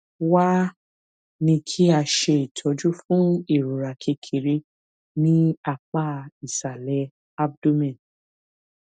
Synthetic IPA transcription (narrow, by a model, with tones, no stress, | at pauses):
wa˦ | nĩ˧kʰi˦a˧ʃe˧i˨tʰɔ˨˦d͡ʒu˦fũ˦i˦˨ɾo˨ɾa˨kʰe˧kʰi˨ɾe˧ | nĩ˦a˦˨k͡pa˦˨i˨sa˨lɛ˨˦ | a˦b̚do˦mɛ̃˨n